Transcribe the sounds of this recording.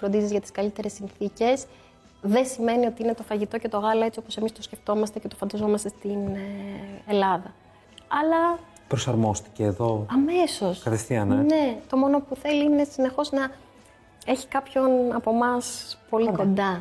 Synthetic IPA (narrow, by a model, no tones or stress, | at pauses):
fɾod̪izizʝɐt̪i̥skɐlit̪e̞ɾesːinθice̞s | ðesime̞nio̞t̪iine̞t̪o̞fɐʝit̪o̞ce̞t̪o̞ɣɐlɐe̞t͡sio̞po̞se̞mist̪osce̞ft̪o̞mɐst̪e̞ce̞t̪o̞fɐnd̪ɐzo̞mɐst̪e̞st̪in | e̞lɐðɐ | ɐlɐ | pɾo̞sɐɾmo̞st̪i̥ceːðo̞ɐme̞so̞skɐθefθiɐnene̞t̪o̞mo̞no̞puθe̞liine̞sine̞xo̞znɐ | e̞çi̥kɐpço̞nɐpo̞mɐspo̞likond̪ɐ